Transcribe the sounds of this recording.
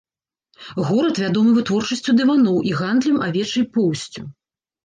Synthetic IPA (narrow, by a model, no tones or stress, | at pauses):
ɣɔɾɐt̪vʲad̪ɔmɨvɨt̪vɔrt͡ʂɐsʲt͡sʲud̪ɨvanɔwʔiɣand̪lʲɐmavʲɛt͡ʂɐjpɔwsʲt͡sʲu